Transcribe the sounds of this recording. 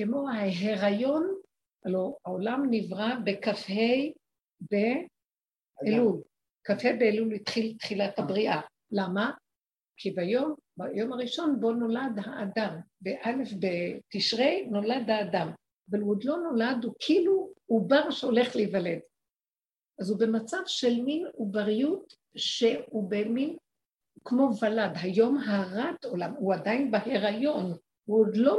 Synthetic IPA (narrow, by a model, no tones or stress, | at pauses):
kemo̞haɦeʁajo̞n | aloaolamnivʁabe̞kafhe̞j | be̞ | lul | kafhejbeːlulit̪χilt̪χilathabʁiʔa | lama | kʰibajombajo̞maʁiʃo̞nbo̞no̞lad̪haʔːdambeʔale̞fbetiʃʁejno̞lad̪aːdam | veluod̪lo̞no̞ladukʰiluubaʁʃeole̞χlevaled | ʔazube̞mat͡savʃe̞lminubaʁjut | ʃe̞ubemin | kmo̞valadɦajo̞mɦaʁat̪o̞lamuadainbaheʁajo̞n | uod̪lo